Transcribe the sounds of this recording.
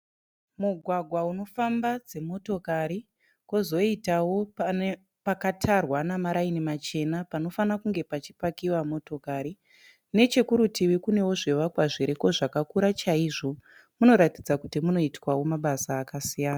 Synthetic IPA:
muɡʱwaɡʱwauno̞fambad͡ze̞mo̞to̞kaɾi | kozo̞itawo̞ | pakatʰarwanamaɾainimat͡ʃe̞napano̞fanakuŋɡe̞pat͡ʃipakiwamo̞to̞kaɾi | ne̞t͡ʃe̞kuɾutiwikune̞wo̞ʐeʋakwaʐiɾeko̞ʐakakuɾat͡ʃaiʐo̞ | muno̞ɾatid͡zakutimuno̞itwawo̞maɓasaːkasijaːna

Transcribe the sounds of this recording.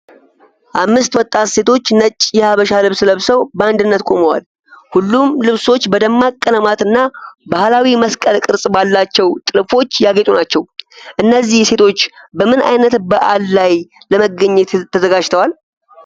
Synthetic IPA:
ʔamːɨst̪wɔt̪ʼːat̪se̞t̪ʰo̞t͡ʃːnət͡ʃʼːjɛhaβəʃalɨβsləβsəwbəand̪ɨnːət̪kʷʼoməwa̰l | hulːumlɨβso̞t͡ʃːbəd̪əmːakʼːənəmat̪ɨnːabahlawiməskʼəlkʼɨɾsʼbalːat͡ʃːɛwt̪ʼɨlfo̞t͡ʃːjaɡet̪ʼunat͡ʃːɛwʔɨnːəzːihse̞t̪ʰo̞t͡ʃːbəmɨna̰jnət̪bəʔalːaj | ləməɡəɲːet̪ʰːəzəɡad͡ʒt̪ʰəwal

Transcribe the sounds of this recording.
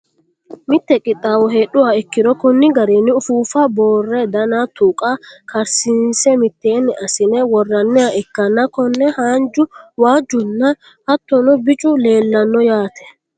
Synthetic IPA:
mɪt̪ːɛkʼɪt̪ʼːaːwɔɦeːɗʊwaɪkːɪd̪ɔkʊnːɪɡɐɾeːnːɪʊfuːfɐboːrːɛd̪ɐnat̪uːkʼakɐɾsɪnsɛmɪt̪ːe̞ːnːɛɐsɪnɛwɔrːɐnːɛaɛkːɐnːɐkɔnːɛhaːnd͡ʒʊwaːd͡ʒːʊnːɐ | hɐt̪ːɔnɔbɪt͡ʃʼʊleːlːɐnːɔjaːt̪ʰɛ̥

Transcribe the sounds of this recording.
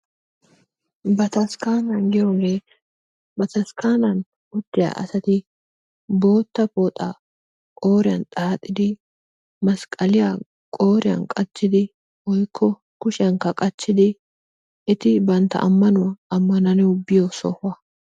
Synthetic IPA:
bɐt̪ɐskaːnɐnɡɛɾɔɡɛ | bɐt̪ɐskaːnɐn | ʊd̪ːɪja̰ʔɐ̰sɐt̪ɪ | bo̞ːt̪ːɐpoːt̪ʼa̰ | kʼo̞ːɾɪjɐnt̪ʼaːt̪ʼːɪd̪ɪ | mɐskʼɐlɪja | kʼoːɾɪjɐ̰nkʼɐt͡ʃːɪd̪ɪ | wɔjkʰːɔ | kʊʃɪɐŋkːɐkʼɐt͡ʃːɪd̪ɪ | ɪt̪ɪbɐnt̪ːɐ̰ʔɐmːɐnʊwɐɐmːɐnɐnɛwʊbɪjɔsɔ̰hɐ

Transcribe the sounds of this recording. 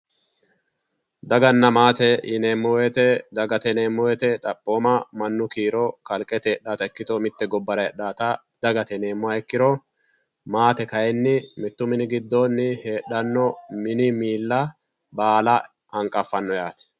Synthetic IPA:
d̪ɐɡɐnːɐmaːt̪ɛɪneːmːɔwɛt̪ɛd̪ɐɡɐt̪ɛne̞ːmːɔwɛt̪ɛt̪ʼɐpʼːo̞ːmɐmɐnːʊkiːɾɔkɐlkʼːɛt̪ɛɛɗːaːt̪ɐɛkːɪt̪ɔmɪt̪ːɛɡɔbːɐɾɐɛɗːaːt̪ɐ | d̪̥ɐɡɐt̪ɛne̞ːmːʊwɐɛkːɪɾɔ | maːt̪ɛkɐɛnːɪmɪt̪ːʊmɪnɪɡɪd̪ːonːɪheːɗːɐnːɔmɪnɪmiːlːɐ | baːlɐ | ɐŋkʼɐfːɐnːɔjaːt̪ɛ̥

